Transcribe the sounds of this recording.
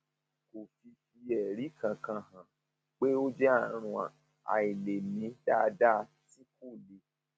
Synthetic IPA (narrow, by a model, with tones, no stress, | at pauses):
ko˨fi˧fi˧ɛ˨ɾi˨˦kã˨kã˧hã˨ | k͡pe˦o˦d͡ʒɛ˦a˦˨ɾ̃ũ˧a̰˨ | a̰˨i˨le˨mĩ˧˦da˦˨˧da˦ | ti˦ko˦˨le˨˦